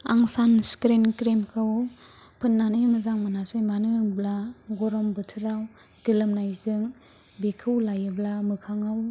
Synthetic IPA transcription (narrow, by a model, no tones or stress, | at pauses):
aŋsanskɾenkɾemkʰɯw | pʰɯnːanɯmɯzaŋmanasemanɯblaɡɔɾɔmbɯtʰɯɾaw | ɡ̥ilɯmnajzɯŋ | bekʰɯwlajɯblamɯkʰaŋaw